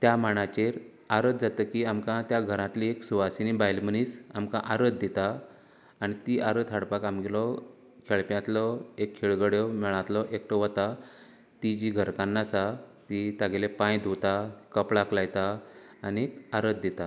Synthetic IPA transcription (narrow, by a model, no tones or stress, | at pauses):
t̪jamaɳ̃at͡ɕeɾ | aɾəd̪d͡zat̪əkiamkãt̪jaɡʱəɾãt̪lieksuʋasinibajlməniːsamkãʔaɾət̪̚d̪et̪aː | ñit̪iːʔaɾət̪ɦaɽpakamɡelɔ | kʰeɭpjãt̪lɔekʰːiɭɡəɽjɔmɛɭãt̪lɔʔekʈɔʋət̪a | t̪id͡ʑiɡʱəɾkãnːasat̪it̪aɡelepãjd̪ʱut̪akəpɭaklajt̪aː | niaɾəd̪̚d̪et̪a